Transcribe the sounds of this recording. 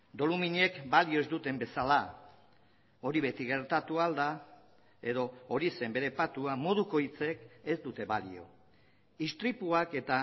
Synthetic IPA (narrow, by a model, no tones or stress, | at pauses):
d̪o̞lumiɲe̞kbalio̞e̞zd̪ut̪e̞mbe̞sala | o̞ɾiβe̞t̪iɣe̞ɾt̪at̪uald̪a | e̞ðo̞ːɾise̞mbe̞ɾe̞pat̪uamo̞ð̞uko̞it͡se̞ke̞zd̪ut̪e̞βalḭo̞̰ | ist̪ɾipuake̞t̪a